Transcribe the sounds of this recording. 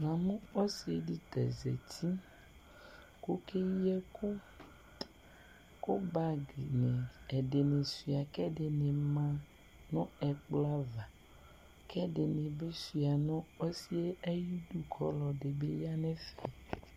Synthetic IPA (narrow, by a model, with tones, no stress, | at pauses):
mã˨mũ˦ɔ˦si˨˦e˦di˦t̪ɛ̰˨zɛ̰˨t̪ʰi˦ | ko˦ke˦jɛ˦ko˦ | ko˦ba˦ɡi˨nɛ̃˨ɛ˨de˨ne˨si˨a˨kɛ˦de˨nẽ˨mã˦ | nɔ̃˦ɛ˨k͡pla˦va˨ | kʰɛ˦de˨nẽ˨be˦si˨a˨nɔ̃˦o˦si˦e˦e˦ji˦du˦kʰɔ˦lɔ˨ɖe˨be˦ja˦nɛ̃˦fɛ˨